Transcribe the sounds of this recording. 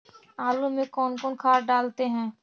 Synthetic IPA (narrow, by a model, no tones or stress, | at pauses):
aːlumẽkɔːnkɔːnkʰaːɾɖaːlt̪eɦɛ̃ː